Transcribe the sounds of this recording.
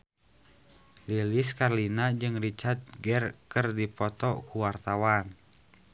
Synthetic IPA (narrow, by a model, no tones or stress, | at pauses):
liliskarlinad͡ʒɨŋrit͡ʃart̪̚ɡɛrkərdipɔt̪ɔkuwart̪awan